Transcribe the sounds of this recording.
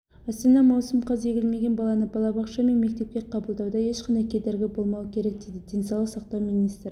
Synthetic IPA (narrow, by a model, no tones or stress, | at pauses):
æst̪ɑnɑmɑwsəmqʰɑze̞ɡʲɪlme̞ɡʲe̞nbɑlˠɑnəbɑlˠɑbɑqʃɑme̞nmek̚t̪e̞p̚kʲe̞qʰɑbəlˠd̪ɑwd̪ɑjeʃqɑnd̪ɑjkʲʰed̪e̞ɾɡʲɪbo̞lˠmɑwəkʲʰe̞ɾek̚d̪ejd̪ɪd̪ʰe̞nsɑlˠəqsɑqt̪ɑwminist̪ɾ